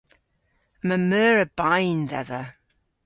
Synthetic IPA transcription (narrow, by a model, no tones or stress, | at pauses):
məmœːɹəbajnðɛ̰ðə